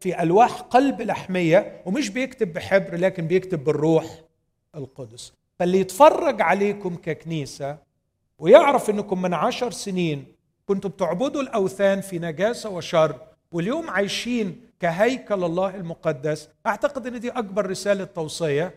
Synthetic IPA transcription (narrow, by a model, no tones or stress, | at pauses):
fiʔælwaːħqɑlblaħmɪjːæwɪmɪʃ̬bɪjɪkt̪ɪbːɪħɪbɾlæːkɪnbɪjɪkt̪ɪbːɪrːuːħ | ʔɪlqʊd̪sˤ | fælːijɪt̪fɑrˤːɑɡʕaleːkʊmkækniːsæ | wɪjɪʕɾɑfʔɪnːækʊmːɪnʕaʃɑɾˤsɪniːn | kʊnt̪ʊb̚t̪ʊʕbɪd̪ulʔæwθæːnfinæɡæːsæwɪʃɑrˤː | wɪljoːmʕajʃiːnkæɦæjkælɑlˤːɑːhɪlmʊqɑd̪ːæsʔaʕt̪aqɪd̪ʔɪnːɪd̪iːʔɑɡ̚bɑɾˤːɪsæːlat̪ːɑwsˤejːɑ